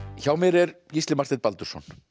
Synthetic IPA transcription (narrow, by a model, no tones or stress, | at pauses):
çawmɛɾɛɾ | cist̪lɪmaɾ̥t̪ɾɛt̪̚palt̪ʏ̥sɔ̰n̥